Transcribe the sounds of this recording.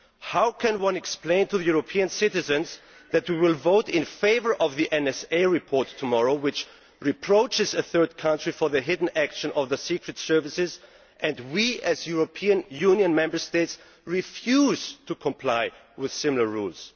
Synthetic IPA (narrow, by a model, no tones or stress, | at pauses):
haʊkʰɨ̃nwʌ̃nɨksplẽɪ̃ntʰɨðɨjuɹəpʰiɨ̃nsɪɾɨzɨ̃nz | ðɨt̚wiwɪlˠvoʊɾɪ̃nfeɪvə˞ʔʌvðiʔɛ̃nɛseɪɹɨpʰɔɹtʰːəmɔɹoʊwɨt͡ʃ | ɹɨpʰɹ̥oʊt͡ʃɨzɨθɜ˞d̚kʰʌ̃ntɹ̥ifə˞ðɨɦɪdⁿn̩ækʃɨ̃nʌvðəsikɹɨtsɜ˞vɨsɪz | ʔɨ̃ndwiɨzjuɹopʰĩɨ̃njũnjɨ̃nmɛ̃mbə˞steɪts | ɹifjuz̥tʰukʰə̃mpʰl̥aɪ | wɪð̥sɪ̃ml̩ˠə˞ɹulˠz̥